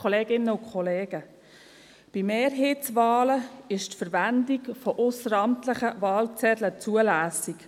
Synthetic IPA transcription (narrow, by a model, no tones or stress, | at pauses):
ɔleːɡɪnːəʊkχɔleːɡ̥ə | b̥imeːrɦeːtt͡svɑːləɪʃtfəɾvændikfɔʔʊsəɾɑmtləχəvɑːlt͡sɛdlət͡suəlæːsik